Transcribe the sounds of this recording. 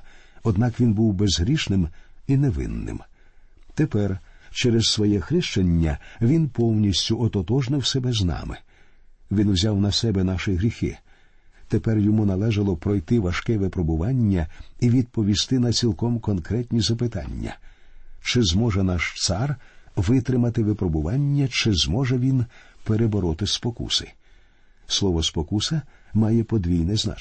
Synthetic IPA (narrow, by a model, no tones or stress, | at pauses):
ɔd̪nɑkʋʲinbuwbezɦɾʲiʃnɪminɛʋɪ̰nːɪ̰m | t̪epɛrt͡ʃɛɾɛssʋɔjɛxɾɪʃt͡ʃɐnʲːɐʋʲinpɔwnʲisʲtʲʊʔɔt̪ɔt̪ɔʒnɪwsɛbɛznɑ̰mɪ̰ | ʋʲinwzʲawnɐsɛbɛnɑʃɪɦɾʲixɪ̰ | t̪epɛrjɔmunɐlˠɛʒɐlˠɔpɾɔjt̪ɪʋɐʃkɛʋɛpɾɔbʊʋɑnʲːɐiʋʲid̪̚pɔʋʲist̪ɪnɐt͡sʲilˠkɔmkɔnkɾɛtʲnʲizɐpɪt̪ɑ̰nʲːɐ̰ | t͡ʃɪzmɔʒɛnɑʃt̪sɑrʋɪt̪ɾɪmɐt̪ɪʋɪpɾɔbʊʋɑnʲːɐt͡ʃɪzmɔʒɛʋʲinpeɾebɔɾɔt̪ɪspɔkṵsɪ̥ | slˠɔʋɔspɔkusɐmɑjɛpɔd̪ʋʲijnɛzna̰